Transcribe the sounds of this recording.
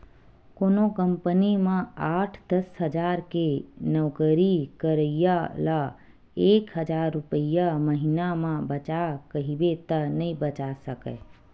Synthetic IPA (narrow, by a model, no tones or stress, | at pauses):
koːnokəmpənimẽaːʈʰd̪əsɦəd͡ʒaɾkenəwkəɾikəɾəijala | eːkɦəd͡ʒaɾːupəijaməɦinamẽbət͡ʃakəɦibet̪ənəĩbət͡ʃasəkə̰